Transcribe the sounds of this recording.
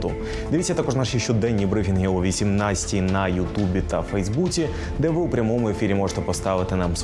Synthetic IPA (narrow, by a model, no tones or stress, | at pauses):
t̪ʊ | d̪ɪʋitʲt͡sʲːɐt̪akɔʐnɑʃit͡ʃɔd̪ɛnʲːibɾɪfʲinɦɪuʋʲisʲimnɑsʲtʲinɐjʊt̪ubʲit̪ɐfɛjzbut͡sʲi | d̪ɛʋɪwpɾʲɐmɔmʊefʲiɾʲimɔʐɛt̪ɛpɔst̪ɑʋɪt̪ɪnɑms